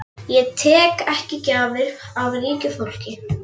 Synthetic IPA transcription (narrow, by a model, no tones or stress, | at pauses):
jɛɣt̪ʰɛːkɛhcɪcaːvɪɾawɾiːɲcʏfowl̥cɪ